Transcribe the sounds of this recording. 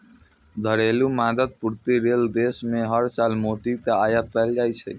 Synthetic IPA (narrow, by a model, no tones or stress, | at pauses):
d̪ʱəɾelumad̪əd̪̚puɾt̪iɾeld̪esmeɦəɾsalmot̪it̪eajət̪̚pɛld͡ʒajt͡ʃʰɛ̰